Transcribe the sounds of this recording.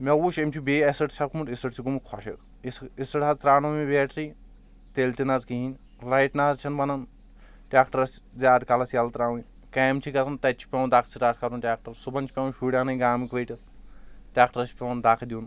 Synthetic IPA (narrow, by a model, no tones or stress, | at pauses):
mʲɐuʃemt͡ʃʰubeːɐsɐʈt͡ʃɐb̚kumuʈisɐʈt͡sʰiɡumukʰɔʃɐ̰k | isisɐʈɐzt̪ɾaːnomibeːʈɾi | t̪elt̪inazkiɦinʲ | lɐjʈnaːzt͡ʃʰɐnbɐnɐn | ʈʲaːkʈɐɾɐszʲjaːd̪kɐlɐsjalt̪ɾaːwun | kɐːmt͡ʃʰikɐt̪ʰɐnt̪ɐt͡ʃʰi̥pʲɐwnd̪akʰt͡sʰiʈaːʈʰkɐɾunʈʲaːk̚ʈɐɾsubɐnʲt͡ʃʰi̥pʲewnʃuːɽʲjaːnɐɡaːmikʋɐjʈʲɐt̪ʈʲjaːk̚ʈɐɾɐsʰi̥pʲeɐnd̪akʰd̪iun